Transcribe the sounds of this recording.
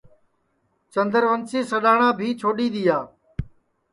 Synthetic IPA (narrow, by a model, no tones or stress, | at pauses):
t͡ʃənd̪əɾʋənseːsəɗaːɳãːbʱiːt͡ʃʰoːɗiːɗ̪ijaː